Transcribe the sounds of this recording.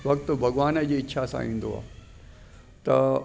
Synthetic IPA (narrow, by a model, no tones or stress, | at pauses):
ʋɐk̚t̪bʱɐɡʋaːnəd͡ʑeːɪɕʰasã̰ḭ̃ːnd̪oa̰ː | t̪ɐ